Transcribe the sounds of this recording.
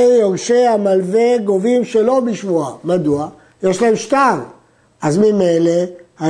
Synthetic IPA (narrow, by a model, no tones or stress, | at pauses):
oʁʃeamalveɡo̞vimʃe̞lo̞biʃvuamad̪ua | jeʃlaemʃt̪an | azmime̞jleha